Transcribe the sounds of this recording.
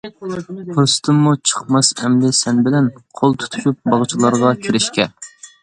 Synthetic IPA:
pʰost̪ʰɨmːut͡ʃʰə̥qmɑsɛmlɪsɛnbɪlɛnqʰolˠt̪ʰu̥t̪ʰu̥ʃup̚bɑʁt͡ʃʰilˠɑɾʁɑkʲʰiɾɪʃkʲɛ

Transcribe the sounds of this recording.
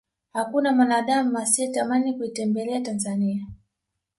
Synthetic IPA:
hakunamwanaɗamuasiɛtamanikuitɛmbɛlɛatanzania

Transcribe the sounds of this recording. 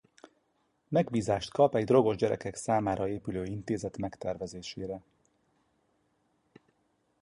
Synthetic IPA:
mɛɡbiːzaːʃt̪kɒpɛɟd̪ro̞ɡo̞ʒɟɛɾɛ̰kɛksaːmaːɾɒeːpyløːint̪eːzɛt̪mɛkt̪ɛrvɛzeːʃeːɾɛ

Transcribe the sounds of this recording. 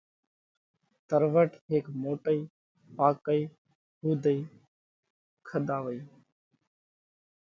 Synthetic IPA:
t̪əɾʋəʈɦeːkmoːʈəiː | paːkəiː | huːd̪ʱəiː | kʰəd̪aːʋəiː

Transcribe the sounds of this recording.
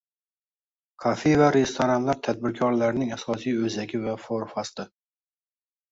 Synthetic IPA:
kʰɒfejvaɾe̞st̪ʰoɾanlaɾt̪ʰad̪̚bɪɾkʲʰɒɾlaɾnɪŋasɒsijɵzakʲɪvafoɾfast̪ɪ

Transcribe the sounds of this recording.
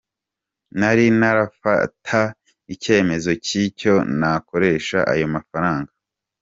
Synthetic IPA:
naɾinaɾafa̰tʰa | ice̞ːme̞zo̞cico̞nako̞ɾe̞ːʃa̰ʔa̰jo̞mafaɾaːŋɡḁ

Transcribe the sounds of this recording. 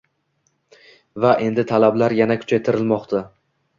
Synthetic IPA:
vaʔe̞nd̪ɪt̪ʰalablaɾjanakʲʰʊ̥t͡ʃʰajt̪ʰɪɾɪlmɒqt̪ʰa

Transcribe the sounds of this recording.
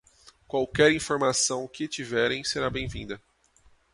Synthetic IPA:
kwawkɛɾĩfoɾmasɐ̃w̃kɪt͡ʃivɛɾẽj̃seɾabẽj̃vĩnd̪ɐ

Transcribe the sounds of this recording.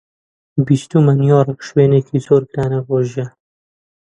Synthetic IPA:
bist̪umɐnijɔːrɨkʃweːnekʰiːzoːɾɡɾaːnɐboːʒiɛ

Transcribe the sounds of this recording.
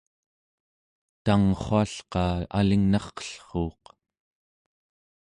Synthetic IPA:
t̪aŋχoaɬqɑːa̰liŋnɑχqʌ̥ɬχoːq

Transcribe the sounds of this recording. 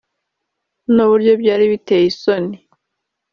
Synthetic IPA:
nuβuɾɟo̞bɟaːɾiβiteːjisoni

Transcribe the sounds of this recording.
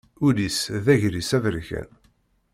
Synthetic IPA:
ulisðæʝɾisævəɾʝæ̰n

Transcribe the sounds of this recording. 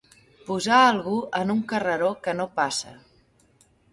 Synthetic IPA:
puzaːlˠɣuʔənuŋkərəɾokənopasə̰

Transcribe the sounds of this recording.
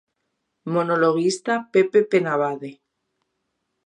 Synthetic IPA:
monoloɣ̞ist̪apepepenaβaðe

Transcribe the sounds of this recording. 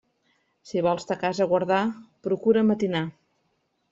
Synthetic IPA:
siβɔlˠst̪əkazəɣwəɾðapɾukuɾəmət̪ina

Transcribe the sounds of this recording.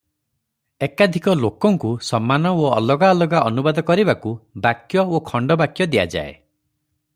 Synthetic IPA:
ekad̪ʱikɔlokɔŋkusɔmːanɔoɔlɔɡaːlɔɡaʔɔnubad̪ɔkɔɾibakubakjɔokʰɔɳɖɔbakjɔd̪ia̰d͡ʒa̰ḛ

